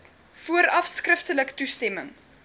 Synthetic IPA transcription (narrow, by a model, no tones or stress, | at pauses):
fuəɾɐfskrəftələktustɛməŋ